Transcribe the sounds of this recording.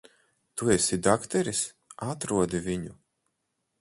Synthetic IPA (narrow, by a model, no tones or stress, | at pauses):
t̪uɛsid̪akt̪ɛɾis | at̪ɾuɔd̪ivʲiɲu